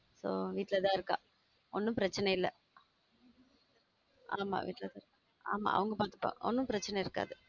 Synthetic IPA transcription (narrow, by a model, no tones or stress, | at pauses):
soːʋiːʈːɪlɐt̪ãːɪɾɯkːã̰ː | ɔnːɯ̃pɪɾɐt͡ʃːɐnɐɪlːɐ | aːma̰ːʋiːʈːɪlɐt̪ãːɪɾɯkːa | aːma̰ːɐ̰ʋɐŋɡɐpaːɾt̪ɯ̥pːõ̰ːʔɔ̰nːɯ̃pɪɾɐt͡ʃːɐnɐɪɾɯkːa̰ːðɯ